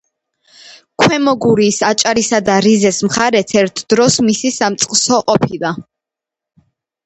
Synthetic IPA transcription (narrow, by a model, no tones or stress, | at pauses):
kʰwɛmɔɡuɾiːsat͡ʃʼaɾisad̪aɾizɛsmχaɾɛt̪ʰɛɾt̪ʰd̪̥ɾɔsmisisamt̪sʼqʼsɔqʼɔpʰilˠa